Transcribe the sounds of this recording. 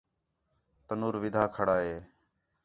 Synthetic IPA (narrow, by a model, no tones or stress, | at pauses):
t̪ənuːɾʋɪd̪ʱaːkʰəɽaːɦeː